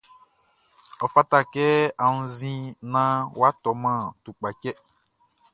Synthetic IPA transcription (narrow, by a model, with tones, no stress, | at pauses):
ɔ˨fa˦ta˦kɛ˦a˨nũ˦zĩ˦nã˦wa˦tɔ˨mã˦˨tu˨k͡pa˨cɛ˦